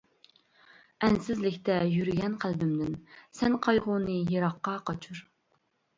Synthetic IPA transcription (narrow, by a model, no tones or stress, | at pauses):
ɛnsɪzlɪkʲt̪ɛjyɾɡʲɛnqʰælbɪmd̪ɪnsɛnqʰɑjʁʊnɨjeɾɑqːɑqʰɑt͡ʃʰuɾ